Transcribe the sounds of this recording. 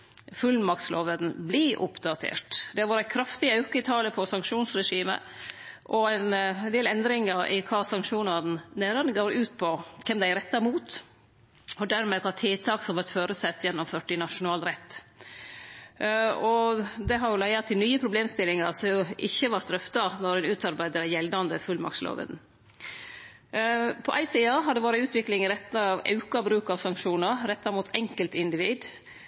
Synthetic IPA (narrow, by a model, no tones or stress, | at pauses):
fʉlmɑkt̪slo̰ːʋəɾn̩bliʔʊ̰pd̪ɑt̪ʰḛːʈd̪ɛhɑɾʋɑːɾækʰɾɑft̪ɪɑʉkəɪt̪ʰɑːləpʰɔsɑŋkʂuːnsɾɛʂiːmə̰ | ʔɔæɪnnd̪eːlɛnd̪ɾɪŋəɾʔɪ̰kʰɑːsɑŋkʂuːnɑɾn̩næːɾənəɡoːɾʉːt̪̚pʰɔkʰɛmd̪æɪɾɛt̪ːɑɾmuːt̪ | ɔd̪æɾmɛkʰɑt̪ʰɪlt̪ʰɑːksɔmʋæɾt̪føːɾʉsɛt̪ːjɛnːɔmføːʈːɪnɑʂʊnɑːlɾɛt̪ː | ɔd̪ɛɦɑɾjʊlæɪət̪ʰɪlnyːəpʰɾʊbleːmst̪ɪlɪŋɑɾsɔmjʊʔɪçːəʋɑɾt̪ɾœft̪ɑnɔɾɛɪnʉːt̪ɑɾbæɪd̪əɾjɛld̪ɑnd̪əfʉlmɑ̰kslo̰ːʋə̰n | pʰɔʔæɪsiːɑɦɑɾɖ̪ɛʋɑːɾəʉːt̪ʋɪklɪŋɾɛt̪ːnəɑʋɑ̰ʉkɑbɾʉːkɑʋsɑŋkʂuːnəɾɾɛt̪ːɑɾmuːt̪ʰɛŋkəlt̪ɪnd̪ɪʋiːd̪